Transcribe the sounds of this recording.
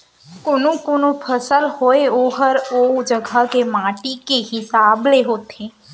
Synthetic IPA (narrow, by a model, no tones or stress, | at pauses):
kʊnũkonũpʰəsəlhoeoːɦəɾod͡ʒəɡʱakemãːʈikeɦɪsaːbleɦoːt̪ʰeː